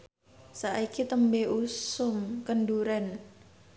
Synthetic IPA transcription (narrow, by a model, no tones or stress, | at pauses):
saʔikit̪əmbeʔusʊmkənɖuɾɛn